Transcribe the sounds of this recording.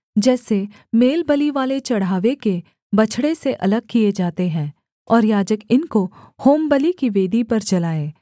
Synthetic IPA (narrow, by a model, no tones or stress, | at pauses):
d͡ʒɛːse | meːlbəliʋaːlet͡ʃɐɽ̤ɦaːʋeke | bɐt͡ʃʰɽeseʔɐləɡ̚kijed͡ʒaːt̪eɦɛ̃ː | ɔːɾjaːd͡ʒəkɪnkohoːmbəlikiʋeːd̪ʱipɐɾd͡ʒɐlaːeː